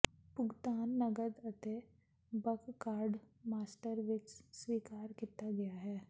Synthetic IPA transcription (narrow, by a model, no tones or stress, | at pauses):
pʊɡt̪aːnːɐɡəd̪ɐt̪e | bɐkkaːɾɖ | maːsʈəɾʋɪt͡ʃswiːkaːɾkɪt̪aɡɐjaɦɛː